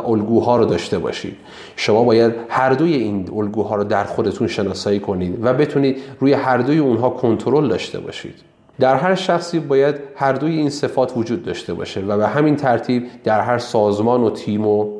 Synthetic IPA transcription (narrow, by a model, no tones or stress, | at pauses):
ʔolɡuːɦɒːɾod̪ɒːʃt̪e̞bɒ̰ːʃḭːd̪̥ | ʃo̞mɒːbɒːjæd̪hæɾd̪o̞jeiːnolɡuːɦɒːɾod̪æɾxo̞d̪e̞t̪ʰunʃe̞nɒːsɒːiːkʰo̞niːd̪væbe̞t̪ʰuniːd̪ɾuːjehæɾd̪o̞jeunɦɒːkʰo̞nt̪ʰoɾo̞ld̪ɒːʃt̪ʰe̞̰bɒ̰ːʃḭːd̪̥ | d̪æɾɦæɾʃæxsiːbɒːjæd̪hæɾd̪o̞jeiːnse̞fɒːt̪ʰvod͡ʒuːd̪̚ːɒ̰ʃt̪e̞bɒ̰ːʃe̞væbeɦæmint̪ʰæɾt̪ʰiːb̚d̪̥æɾɦæɾsɒːzmɒːnot̪ʰiːmo